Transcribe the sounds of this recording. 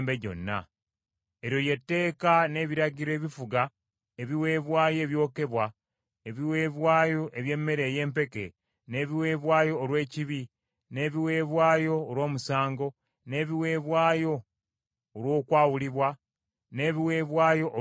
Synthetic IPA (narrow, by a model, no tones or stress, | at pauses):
mbeɟo̞̰nːa̰ | eɾjo̞je̞tːe̞ːkane̞ːβiɾaɟiɾoe̞ːβifuɡa | eβiwe̞ːβwaːje̞ːβjo̞ːke̞βwa | eβiweːβwaːjoʔe̞βje̞mːe̞ɾe̞ːje̞ːmpe̞ke̞ | ne̞ːβiwe̞ːβwaːjo̞ːɾwe̞ːciβi | ne̞ːβiwe̞ːβwaːjo̞ːɾwo̞ːmusaːŋɡo̞ | ne̞ːβiwe̞ːβwaːjo̞ː | ɾwo̞ːkwaːwuliβwa | ne̞ːβiwe̞ːβwaːjo̞ʔ